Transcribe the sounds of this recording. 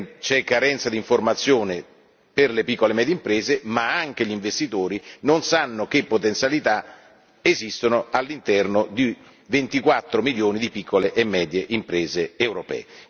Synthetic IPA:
t͡ʃɛkːaɾɛnt̪sad̪iɱformat̪sːjoːne | perlepikːolemɛːd̪jeimpɾeːzemaaŋk̟eʎiɱvest̪it̪oːɾinonsanːok̟epːot̪ent̪sjalit̪a | ezist̪onoalːint̪ɛrnod̪i | vent̪ikwat̪ːɾomiljoːnid̪ipikʰːoleʔːmːɛːd̪jeʔimpɾeːzeːwɾopɛ̰ː

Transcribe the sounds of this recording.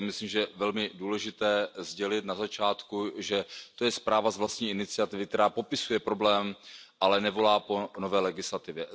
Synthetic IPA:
mɪslimʒɛɛvɛlmɪduːlɛʒɪt̪ɛːzɟɛlɪt̪nazat͡ʃaːt̪kuʒɛt̪o̞jɛspɾaːvazvlast̪ɲiːɪnɪt͡sɪat̪ɪvɪk̚t̪ɛɾaːpo̞pɪsujɛpɾo̞blɛːmʔalɛnɛvo̞laːpo̞no̞vɛːlɛɡɪslat̪ɪvjɛ

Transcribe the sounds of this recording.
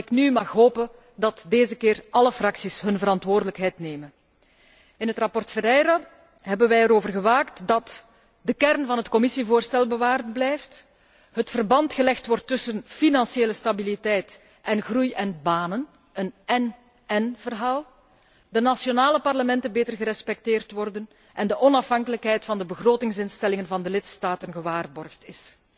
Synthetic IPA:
ɪknymɑxɦoːpən | dɑtdeːzəkɪːrʔɑləfrɑksisɦɵnvəɾɑntʋoːrdələkɦɛjtneːmən | ɪnɦətrɑpɔrtfɛɾɛjɾa | ɦɛbənʋɛjəɾoːvərɣəʋaːktdɑt | dəkɛrnvɑnɦətkɔmɪsivoːrstɛlˠbəʋaːrt̚blɛjft | ɦətfərbɑntxəlɛxtʋɔrtːʏsənfinɑnseːləstabilitɛjt | ʔɛnɣrujɛnbaːnən | ənɛn | ɛnvərɦaːlˠ | dənasjonaːləpɑrləmɛntənbeːtərɣəɾɛspɛk̚teːrtʋɔrdən | ʔɛndəʔɔnɑfɦɑŋkələkɦɛjtfɑndəbəɣroːtɪŋsɪnstɛlɪŋənvɑndəlɪtstaːtənɣəʋaːrbɔrxtɪs

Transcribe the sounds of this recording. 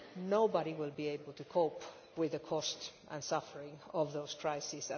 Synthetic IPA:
noʊbəɾiwɪlˠbieɪbəl̩ˠtʰukʰoʊp | wɪðɨkʰɔstʔə̰̃nsʌfə˞ɪ̃ŋɔvðoʊz̥kʰɹ̥aɪsis

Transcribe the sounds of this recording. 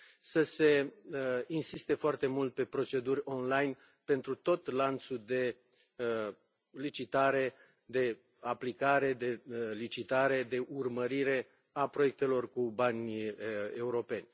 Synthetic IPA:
səse̞ | insist̪e̞foart̪e̞mult̪̚pe̞pɾo̞t͡ʃe̞d̪urʲo̞nlajn | pe̞nt̪ɾut̪o̞t̪lant̪sud̪e̞ | lit͡ʃit̪aɾe̞ | d̪e̞ | aplikaɾe̞d̪e̞lit͡ʃit̪aɾe̞d̪e̞ʔurməɾiɾe̞ | apɾoe̞k̚t̪e̞lo̞rkubanʲ | e̞uɾo̞pe̞nʲ

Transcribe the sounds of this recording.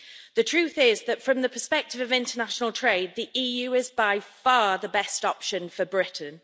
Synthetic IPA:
ðətʰɹ̥ʉˑθɪzðətfɹə̃mðəpʰəspɛk̚tɪvəvɪ̃ntənaʃənəlˠtʰɹ̥eɪd̪̚ðiʔiːjʉːɪzbaɪfɑːðəbɛstɒpʃə̃nfəbɹɪʔn̩

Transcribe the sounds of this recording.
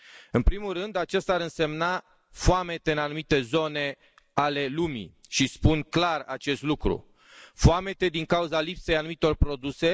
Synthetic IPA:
ɨnpɾimulrɨnd̪at͡ʃest̪aɾɨnse̞mna | foame̞t̪e̞ɨnanumit̪e̞zo̞ne̞ | ale̞lumḭʃispunklara̰t͡ʃe̞st̪lukɾṵ | foame̞t̪e̞d̪iŋkauzalipsejanumit̪o̞rpɾo̞d̪use̞

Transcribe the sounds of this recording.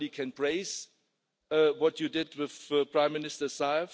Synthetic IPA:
likʰɛ̃npʰɹeɪs | wɔtjudɪdwɪðpʰɹ̥ãɪ̃mːɪnɪstə˞saɪf

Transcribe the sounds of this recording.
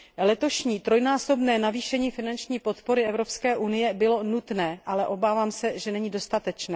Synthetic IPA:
lɛt̪o̞ʃɲiːt̪ɾo̞jnaːso̞bnɛːnaviːʃɛɲiːfɪnant͡ʃɲiːpo̞t̪po̞ɾɪɛvɾo̞pskɛːʔunɪjɛbɪlo̞nut̪nɛːʔalɛʔo̞baːvaːmsɛʒɛnɛɲiːdo̞st̪at̪ɛt͡ʃnɛː

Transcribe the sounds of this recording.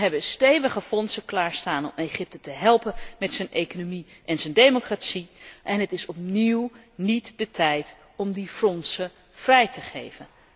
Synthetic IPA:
ɦɛbəstejvəχəfɔnsəklaːɹstaːnɔ̰mejχɪp̚tətəɦɛlˠpənmɛtsɵnʔejkonomiʔɛnzəndejmokraːtsiʔɛnɦətɪsɔp̚niwnitd̥ətʰɛjt | ɔmdifrɔnsə | v̥rɛjtəχḛjvən

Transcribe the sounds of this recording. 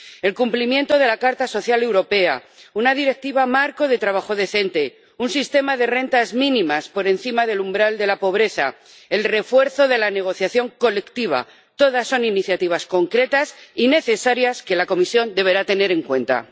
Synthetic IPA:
e̞lkumplimjẽ̞nt̪o̞ð̞e̞lakaɾt̪aso̞θjale̞wɾo̞pe̞a̰ | unað̞iɾe̞k̚t̪iβamaɾko̞ðe̞t̪ɾaβaxo̞ðe̞θe̞nt̪e̞ | unsist̪e̞maðe̞re̞nt̪azmĩnĩmaspo̞ɾe̞nθimaðe̞lumbɾald̪e̞lapo̞β̞ɾe̞θa̰ | e̞lre̞fwe̞ɾθo̞ðe̞lane̞ɣ̞o̞θjaθjo̞ŋko̞le̞kt̪iβ̞a̰ | t̪o̞ðasːo̞niniθjat̪iβ̞asko̞ŋkɾe̞t̪asine̞θe̞saɾjaske̞lako̞misjo̞nd̪e̞β̞e̞ɾat̪e̞ne̞ɾe̞ŋkwe̞nt̪a̰

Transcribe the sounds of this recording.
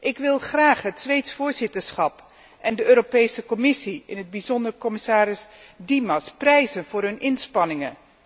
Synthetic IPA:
ʔɪkʋɪlˠχraːχɦətsʋejtsfʊːɹzɪtəɹsχɑp | ʔɛndəøːɾopejsəkɔmɪsiɪnɦəd̚bizɔndəɹkɔmɪsaːɾɪzdimɑsprɛjzənv̥ʊːɹɦɵnɪnspɑnɪŋə

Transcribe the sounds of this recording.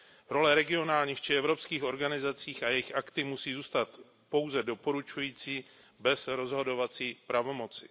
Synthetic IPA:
ɾo̞lɛɾɛɡɪo̞naːlɲiːxt͡ʃɪɛvɾo̞pskiːxo̞ɾɡanɪzat͡siːxajɛjɪxʔakt̪ɪmusiːzuːst̪at̪ | po̞wzɛdo̞po̞ɾut͡ʃujiːt͡siː | bɛsɾo̞zɦo̞do̞vat͡siːpɾavo̞mo̞t͡sɪ̥

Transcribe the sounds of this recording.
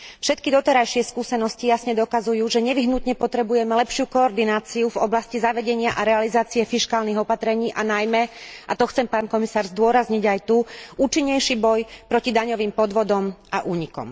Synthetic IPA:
fʃɛt̪̚kid̪ɔt̪ɛɾajʃɪɛskuːsɛnɔscijasɲɛd̪ɔkazujuːʒɛɲɛʋiɦnut̪ɲɛpɔt̪ɾɛbujɛmɛlɛpʃɪukɔːɾd̪inaːt͡siuvɔblascizaʋɛɟɛɲɪaʔaɾɛalizaːt͡siɛfiʃkaːlniɣɔpat̪ɾɛɲiːʔanajmɛat̪ɔxt͡sɛmpaːnkɔmisaːɾzd̪ʊɔɾazɲiɟajt̪uʔuːt͡ʃiɲːɛjʃibɔjpɾɔcid̪aɲɔʋiːmpɔd̪ʋɔd̪ɔmaʔuːɲikɔ̰m

